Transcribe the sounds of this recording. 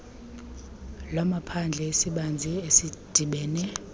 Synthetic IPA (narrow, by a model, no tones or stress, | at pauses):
lamapʰand͡ɮʱɛesiɓand͡zʱiesid̥ʱiɓɛːnɛ